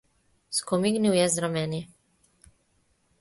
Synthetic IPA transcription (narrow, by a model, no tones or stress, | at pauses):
skɔmiɡniwjɛzɾamɛːni